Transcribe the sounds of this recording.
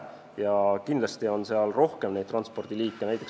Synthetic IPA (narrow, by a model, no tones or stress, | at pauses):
jɑkind̪lɑst̪io̞nse̞ɑlro̞hkemne̞jd̪̚t̪ːrɑnspo̞rd̪̥iliːkːˑeæjt̪ˑek